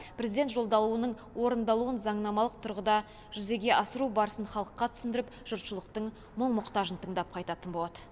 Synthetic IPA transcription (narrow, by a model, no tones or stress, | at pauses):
pʰɾezid̪et̪ʒo̞lˠd̪ɑlˠuənəɴ | wo̞ɾənd̪ɑlˠuənzɑɴnɑmɑlˠəq̚t̪ʰʊɾʁəd̪ɑ | ʒʏze̞ɡʲe̞ʔɑsəɾubɑɾəsənχɑlˠəqːɑt̪ʰʏ̥sɪnd̪ɪɾɪpʒ̥ʊɾt̪ʃəlˠəq̚t̪əɴ | məɴmʊqt̪ɑʒənt̪ʰəɴd̪ɑp̚qʰɑjt̪ɑt̪ənbo̞lˠɑd̪ə